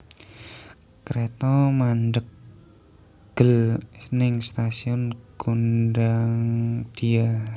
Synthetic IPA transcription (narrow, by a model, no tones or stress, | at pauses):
kɾet̪ɔmandək̚ | ɡ̥əlnɪŋst̪asiɔnɡ̥undaŋd̪̥ia